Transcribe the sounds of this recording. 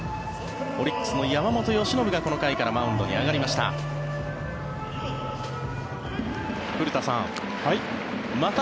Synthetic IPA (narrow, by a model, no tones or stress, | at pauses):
o̞ɾʲikːɯ̥sɨnojamamo̞t̪o̞jo̞ɕino̞bɯ̟ɡako̞no̞kaikaɾamaɯ̟̃nd̪o̞ɲḭaɡaɾʲimaɕi̥t̪a̰ | pɯ̟ɾɯ̟t̪asã̰ŋ | mat̪